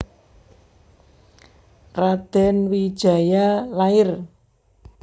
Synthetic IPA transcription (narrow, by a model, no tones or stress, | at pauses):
rad̪̥ɛnwid̥ʒ̥a̤jalaɪr